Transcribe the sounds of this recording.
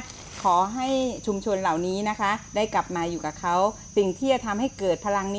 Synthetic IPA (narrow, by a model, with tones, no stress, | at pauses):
kʰɔː˩˦ɦa˥˩jt͡ɕʰu˧mt͡ɕʰo˧nla˨˩wniː˦˥na˦˥kʰa˦˥daː˥˩jkla˨˩p̚maː˧juː˨˩kaː˨˩kʰa˦˥w | si˨˩ŋt̪ʰiː˥˩t͡ɕa˨˩t̪ʰa˧mha˥˩jkɤː˨˩t̪̚pʰa˧la˧ŋnː˦